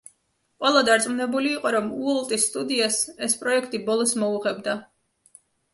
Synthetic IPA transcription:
qʼwɛlˠad̪aɾt̪sʼmunɛbuliːqʼɔɾɔmuɔlˠt̪ʼisːt̪ʼud̪iasɛspʼɾɔɛkʰt̪ʼibɔlˠɔsmɔuʁɛbd̪a

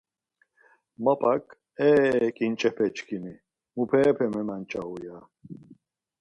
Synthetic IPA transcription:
mɐpʼakʰʼ | ɛːkʼint͡ʃʼɛpʰɛt͡ʃʰkʰʼini | mupʰɛːpʰɛmɛmant͡ʃʼauja

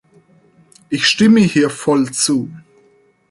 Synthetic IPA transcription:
ʔɪçʃtɪməhiːɐfɔlt͡suː

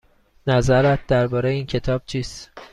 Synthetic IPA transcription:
næzæɾæt̪̚d̪æɾbɒːɾejeiːncʰe̞t̪ʰɒːb̥̚t͡ʃʰiːst̪

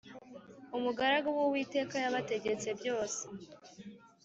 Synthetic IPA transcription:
umuɡaɾaɡowowiːte̞ːkajaβate̞ɟe̞t͡se̞bjo̞ːse̥

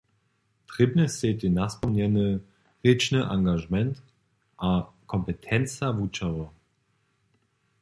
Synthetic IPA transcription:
tʁ̥ɪbnəsetinaspɔmnɛnə | ʁɪt͡ʃnəʔaŋɡaʒəmɛnt | ʔakʰɔmpətʰɛnt͡savut͡ʃɐʁə

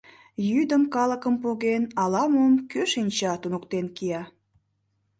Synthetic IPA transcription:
jyd̪əmkɑləkəmpoɣenɑlɑmomkøʃinʲt͡ɕɑt̪unokt̪enkijɑ

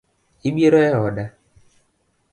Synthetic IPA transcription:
iɡ͡bieɾɔɛɔda

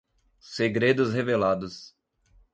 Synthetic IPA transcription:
seɡɾed̪ʊshevelad̪ʊs

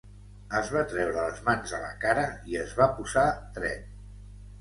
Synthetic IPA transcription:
əzβat̪ɾɛwɾələzmanzðələ̰kaɾəiəzβapuzat̪ɾɛ̰t̪

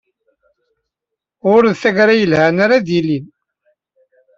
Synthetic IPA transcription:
ʊɾðθæʝɾajəlhænaɾad̪ilin

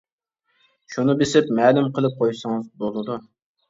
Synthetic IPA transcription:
ʃunɨbesɪpmɛːlumqʰəlˠɨp̚qʰojsəŋɨzbolˠɨd̪u

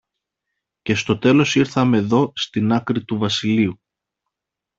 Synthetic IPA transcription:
ce̞st̪o̞t̪e̞lo̞siɾθɐme̞ðo̞st̪inɐkɾit̪uvɐsiliu

